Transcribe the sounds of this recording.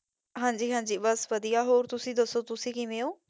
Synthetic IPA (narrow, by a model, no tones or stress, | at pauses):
ɦãːɲd͡ʒiːɦãːɲd͡ʒiːbəsʋəd̪ijaːɦoːɾt̪ʊsĩːd̪əsoːt̪ʊsĩːkiːmẽːoː